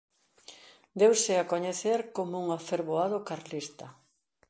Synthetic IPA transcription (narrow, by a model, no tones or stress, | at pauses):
d̪ewsɪakoɲeθeɾkomouŋafeɾβoaðokaɾlist̪ɐ